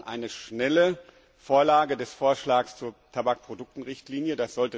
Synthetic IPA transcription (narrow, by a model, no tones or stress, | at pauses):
ʔa̰ɪnəʃnɛlə | foːɐlaːɡədɛsfoːɐʃlaːkst͡suːɐtʰabak̚pʁ̥odʊk̚tn̩ʁɪçtliːnjədasz̥ɔltə